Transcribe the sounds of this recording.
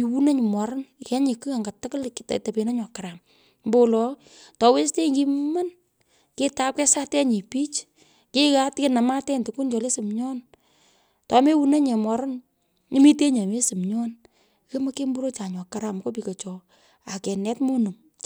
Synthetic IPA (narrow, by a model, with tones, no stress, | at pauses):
i˨wu˦na˦ɲ˨mwa˨ɾnkɛ˦ɲi˨kɨ˦a˨ŋɡa˨tɪ˦kʊ˦lktta˨pe˨na˦ɲɔ˨ka˨ɾa˨m | mbo˦lɔ˨ | tɔ˨we˦ste˦ŋki˦m˦ma˦n | kɪ˦ta˦k̚kɛ˦sa˦tɛ˦ɲi˨pi˦t͡ʃ | ki˦ka˦tkɪ˦na˨ma˦tɛ˦ntu˨ku˦nt͡ʃɔ˨le˦sɪ˨mɲɔ˦n | tɔ˨me˦wu˦ne˦ɲe˨ma˨ɾn | ɪ˦mi˦te˦ɲa˨me˦sɪ˨mɲɔ˦n | ke˦ma˦ke˦mbu˦ɾo˦t͡ʃa˨ɲɔ˨ka˨ɾa˨mkɔ˦pi˨kɔ˨t͡ʃɔ˨ | a˨kɛ˨nɛ˦tmo˦nu˨ŋ